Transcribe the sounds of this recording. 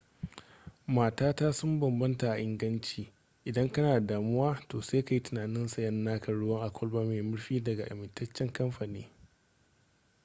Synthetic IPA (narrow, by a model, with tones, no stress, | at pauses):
maː˨taː˦taː˦sʊ˦mbɐ˨mbɐ˦nta˨ʔa˨ʔɪ˦ŋɡɐ˦nt͡ʃiː˨ | ʔɪ˨dɐ˦ŋkɐ˦naː˨daː˨mʊ˦waː˦toː˨seː˦ka˨ji˦tʊ˨naː˨nɪ˦nsa˨jɐ˦n˦nːaː˦kʰɐ˨ɽʊ˦wɐ˦ŋʔa˨kʷɔ˦lbaː˦meː˨mʊ˦ɾɸiː˦dɐ˨ɡa˨ʔa̰˨mɪ˨ntɐ˦t͡ʃːɛ˦ŋkɐ˦mɸa˨niː˦